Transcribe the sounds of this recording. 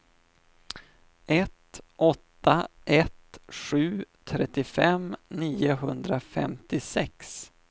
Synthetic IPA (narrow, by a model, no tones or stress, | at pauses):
ɛt̪ʔɔt̪ːaʔɛt̪ɧʉ̟ːt̪ʰɾɛt̪ːɪfɛmniːʊɦɵnd̪ɾafɛ̰mt̪ɪsɛks